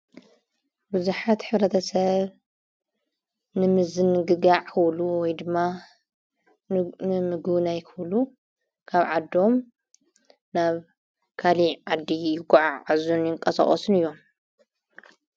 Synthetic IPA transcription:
bɨzuħat̪ħɨβɾɐt̪ʰɐsɐβ | nɨmɨzɨnɨɡɨɡaʕkʰɨβluwɔjd̪ɨmːa | nɨmɨɡnajkʰɨβlu | kʰaβʕad̪o̞m | naβ | kʰaliʕad̪ijɪɡʼʕaazunjɪŋkʼɐsɐ̰χʼɔsɨnɨjːo̞m

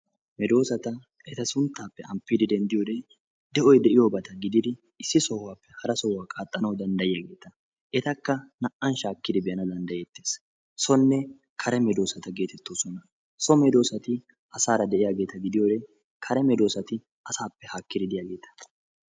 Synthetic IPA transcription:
mɛd̪o̞ːsɐt̪ɐ | ʔɛt̪ɐsʊnt̪ːaːpːɛɐmpːiːd̪ɪd̪ɛnd̪ɪjoːd̪e | d̪ɛʔɔjd̪ɛʔɪjoːbɐt̪ɐɡɪd̪ɪd̪ɪ | ɪsːɪsɔwːaːpːɛhɐɾɐsɔwːaːkʼaːt̪ʼːɐnɐwd̪ɐnd̪ɐjɪjaɡe̞ːt̪ɐ | ʔɛt̪ɐkːɐnɐʔɐnʃaːkːɪd̪ɪbɛjɐnɐd̪ɐnd̪ɐjɛt̪ːeːs | sɔnːɛ | kʰɐɾɛmɛd̪o̞ːsɐt̪ɐɡe̞ːt̪ɛt̪ːoːsɔnɐ | sɔmɛd̪o̞ːsɐt̪ɪ | ɐsaːɾɐd̪ɛʔɪjaːɡe̞ːt̪ɐɡɪd̪ɪjoːd̪ɛ | kʰɐɾɛmɛd̪o̞ːsɐt̪ɪ | ɐsaːpːɛhakːɪd̪ɪd̪ɪjaːɡe̞ːt̪ɐ̥

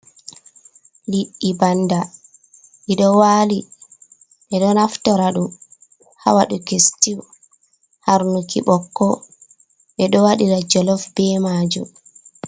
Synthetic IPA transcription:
liɗːibanda | ʔiɗɔwaːli | ʔɛɗɔnaftɔɾaɗum | ha̰waɗukestiw | haɾnukḭɓɔkːɔ | ʔɛɗɔwaɗiɾad͡ʒɔlɔfbɛmaːd͡ʒṵm

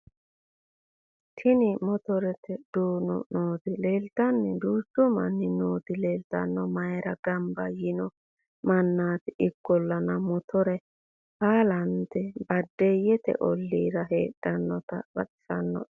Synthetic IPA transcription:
t̪ʰɪnɪmɔt̪ɔɾɛt̪ʰɛd̪̥uːnɔ̰noːd̪ɪleːlt̪ɐnːɪd̪uːsʊmɐ̰nːɪnoːd̪ɪleːlt̪ɐ̰nːɔmɐjɾɐɡɐmbɐjɪnɔ | mɐnːaːt̪ɪɪkːɔlːɐnɐmɔt̪ʰɔɾɛ | baːlɐnt̪ɛbɐd̪ːejɛt̪ɛ̰ʔɔlːiːɾɐɦeːɗːɐnːɔt̪ɐ̰bɐɗɪ̥sɐnːɔ̰

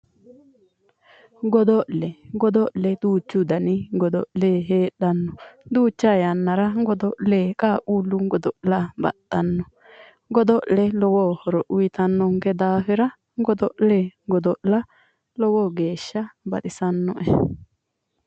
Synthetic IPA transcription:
ɡɔd̪ɔʔlɛɡɔd̪ɔʔlɛd̪uːt͡ʃːud̪ɐnɪɡɔd̪ɔʔlɛɦeːᶑɐnːɔd̪uːt͡ʃːajɐnːɐɾɐɡɔd̪ɔʔlɛkʼaːkʼuːlːuɡɔd̪ɔʔlabɐ̰t̪ːɐnːɔ | ɡɔd̪ɔʔlɛlɔwoːhɔɾɔʔʊjɪt̪ɐnːɔŋkɛd̪aːfɪɾɐ | ŋɡɔd̪ɔʔlɛɡɔd̪ɔʔlɐ | lɔwoːɡe̞ːʃːɐbɐt̪ʼɪsɐnːɔ̰ʔɛ

